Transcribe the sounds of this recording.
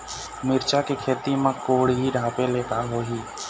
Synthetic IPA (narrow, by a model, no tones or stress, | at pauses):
mɪɾt͡ʃakekʰeːɾt̪imãkoːɽɦiɖʱãːpẽleːk̪aɦoːɦiː